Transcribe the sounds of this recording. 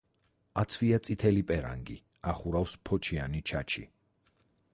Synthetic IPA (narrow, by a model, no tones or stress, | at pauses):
at̪sʰviat̪sʼit̪ʰɛlipʼɛɾa̰ŋɡḭ | aχuɾafspʰɔt͡ʃʰianit͡ʃʰat͡ʃʰḭ